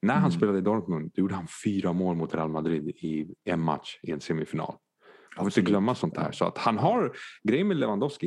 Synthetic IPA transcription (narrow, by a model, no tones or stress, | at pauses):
næɾɦanspeːlad̪əɪd̪ɔɾk̪mʊnd̪̥ɔjuːɖəhanfyːɾamoːlmʊt̪ʰɾɛalmad̪ɾɪd̪ɪɛnma̰t̪ʂɪɛnseːmɪfɪnɑ̰ːl | afɔɾɪnt̪əɡlœmːasɔnt̪hæ̰ːʂɔa̰t̪hanɦaɾɡɾɛjːəmɛlɛvand̪ɔvskɪ